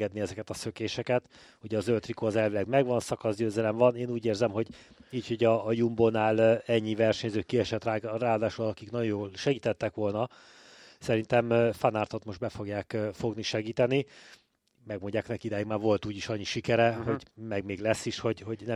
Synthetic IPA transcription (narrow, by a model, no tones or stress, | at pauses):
ɡɛd̪niɛzɛkɛt̪ɒsøkeːʃɛkɛt̪ | uɟɛɒzølt̪rikoːɒzɛlvilɛɡmɛɡʋɒnsɒkɒzɟøːzɛlɛmvɒneːnuːɟeːrzɛmɦo̞ɟiːcho̞ɟɒːjumbonaːlɛɲːivɛrʃɛɲzøːkiɛʃɛt̪raːraːɦɒd̪aːʃolɒt̪ɒkiknɒɟojoːlʃɛɡiːt̪ɛt̪ːɛkʋo̞lnɒ | sɛɾint̪ɛmfanaːrt̪o̞t̪mo̞ʒd̪bɛfo̞ɡjaːkfo̞ɡniʃɛɡiːt̪ɛni | mɛɡmoɲɟaːknɛkid̪ɛjiɡmaːrvo̞lt̪uːɟiʃɒɲːiʃikɛɾɛɦo̞ɟmɛɡmeːɡlɛsːiʃho̞ɟho̞ɟnɛ